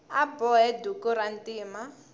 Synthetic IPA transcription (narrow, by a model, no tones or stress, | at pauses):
abɔɦɛdukuɾantiːma